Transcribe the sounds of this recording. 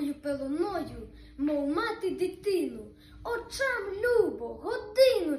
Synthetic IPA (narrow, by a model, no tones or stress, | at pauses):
jupelˠɔnɔju | mɔwmat̪ɪd̪it̪ɪnʊ | ɔt͡ʃamlʲubɔɦɔd̪ɪnʊ